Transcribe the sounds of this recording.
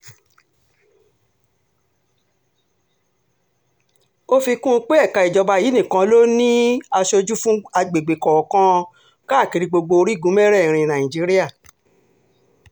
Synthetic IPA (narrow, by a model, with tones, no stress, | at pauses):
o˦fi˧kũ˦˧k͡pe˦ɛ˦˨ka˧i˨d͡ʒɔ˨˧ba˧˨ji˨˦nĩ˦˨kã˧lo˦nĩ˦a˧ʃo˧d͡ʒu˦fũ˦a˧ɡ͡be˨ɡ͡be˨kɔ˨kã˧ | ka˦˨ki˨˧ɾi˧ɡ͡bo˧ɡ͡bo˧o˧ɾi˦˨ɡũ˨˦mɛ˦ɾɛ˦˨ɾ̃ĩ˧nã˨ĩ˨d͡ʒi˨˦ɾi˦a˦˨